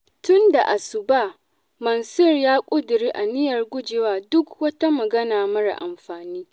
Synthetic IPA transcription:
tʊ˦nda˨ʔa˨sʊ˨baː˦ | mɐ˨nsʊ˦rjaː˦kʷʼʊ˦dʊ˨ɾiː˦ʔa˨nɪ˦jɐ˨rɡʷʊ˦d͡ʒɪ˨waː˦dʊ˦kwɐ˦ta˦mɐ˨ɡɐ˦naː˨mɐ˦ɽa̰˨ʔa̰˨mɸaː˨niː˦

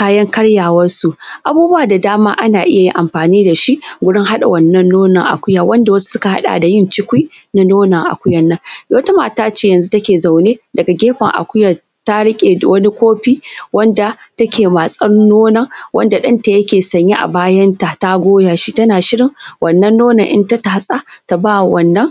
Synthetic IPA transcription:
kaː˦jɐ˦ŋkɐ˦ɽjaː˨wɐ˦nsu˨ʔa˨buː˦bu˦waː˨da˨daː˦maː˦ʔa˦naː˨ʔɪ˦ja˨jḭ˦ŋʔa˨mɸaː˨niː˦da˨ʃi˦ʔɡʷʊ˦ɽɪ˦ŋhɦa˦ɗa̰˨wɐ˦˨nːɐ˦nːoː˦nɐ˨ŋʔa̰˨kʷʊ˦jaː˨wɐ˦nda˨wɐ˦su̥˦sʊ˦ka˨ha̰˦ɗa̰ː˨da˨jɪ˦nt͡ʃɪ˦kʷi˦ | na˦noː˦nɐ˨ŋʔa̰˨kʷʊ˦jɐ˨nːɐ˦ŋɡa˨wɐ˦ta˦maː˨taː˦t͡ʃeː˦jɐ˨nzu˦tɐ˦kʲeː˨za˨wneː˦dɐ˨ɡa˨ɡʲeː˦ɸɐ̰˨ŋʔa̰˨kʷʊ˦jaː˨ | ta˦ɽɪ˦kʲʼḛ˨wɐ˦ni˦kʷoː˦ɸiː˦wɐ˦nda˨tɐ˦kʲʰeː˨ma˨sʼɐ˦ɽʊ˦nːoː˦nɐ˨ŋwɐ̰˦nda˨ɗɐ˦nta˨jɐ˦kʲeː˨sɐ˨ɲje˦ʔa̰˨baː˦jɐ˦nta˨ta˦ɡʷoː˦jaː˨ʃi˦tɐ˦naː˨ʃɪ˦ɽɪ˨ŋwʔɐ˨nːɐ˦nːoː˦nɐ̰˨ŋʔɪ̰˦nta˦ta˨a˦sʼa˦ta˨baː˦˨wɐ˨nːɐ˦ŋ

